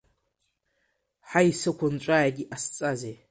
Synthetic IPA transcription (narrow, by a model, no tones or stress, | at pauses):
ħaisɨkʷʰʊnʈ͡ʂʷʼaʕaɡʲiʔast͡sʼaze